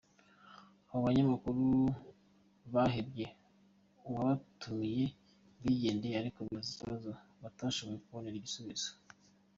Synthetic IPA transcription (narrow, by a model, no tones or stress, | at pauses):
aβoβaɲamakuɾu | βaɦebje̞ | uβaβatʰuje̞ | wiːɟe̞ːndeaɾikoβiziciβazoβataːʃoβojekuβoneɾɟisuβiz̥o̥